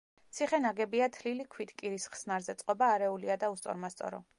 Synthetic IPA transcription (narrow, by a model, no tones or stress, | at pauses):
t̪sʰiχɛnaɡɛbiat̪ʰlilikʰwit̪ʰkʼiɾisχsnaɾzɛt̪sʼqʼɔbaːɾɛuliad̪aust̪sʼɔ̰ɾmast̪sʼɔ̰ɾɔ̰